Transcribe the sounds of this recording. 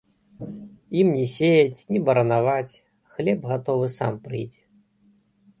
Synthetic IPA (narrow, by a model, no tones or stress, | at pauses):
imnʲɛsʲejɐt͡sʲnʲɛbɐɾɐnavat͡sʲ | xlʲɛbɣat̪ɔvɨsa̰mpɾɨ̰jd͡zʲ